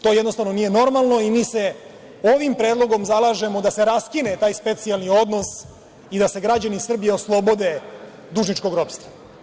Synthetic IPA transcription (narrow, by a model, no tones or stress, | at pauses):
t̪o̞ːjɛd̪nost̪avno̞nije̞no̞ɾmalˠno̞imiːse̞ | oʋimpɾe̞ːd̪lˠo̞ɡo̞mzalˠaʒe̞mod̪aseɾaskinet̪aːjspe̞t̪sialˠnio̞d̪no̞s | id̪ase̞ɡɾad͡ʑanisr̩bijeoslˠo̞bo̞d̪e | d̪uʒnit͡ʃko̞ɡɾopst̪ʋa